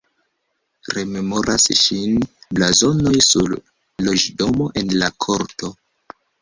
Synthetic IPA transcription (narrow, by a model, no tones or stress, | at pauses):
ɾe̞me̞mo̞ɾasʃinblazo̞no̞jsṵɾː | o̞d͡ʒdo̞mo̞ʔe̞nlakʰoɾto̞